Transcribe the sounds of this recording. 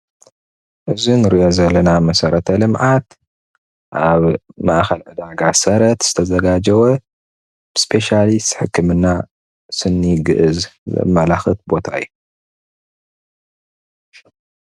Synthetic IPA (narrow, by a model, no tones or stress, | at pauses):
ʔɨzinɨɾijozɐlːɐnamɐsɐɾɐt̪ʰɐlɨmʕat̪ | ʔaβmaʔxɐlʕɨd̪aɡasɐɾɐt̪z̥ɨt̪ʰɐzɐɡad͡ʒɐwɐ | b̥ɨspʰe̞ʃalist̪ħɨkʰːɨmɨnːa | sɨnːiɡɨʔɨzzɐ̰mɐlaxɨt̪̚bo̞t̪ʰaɨ̰jːu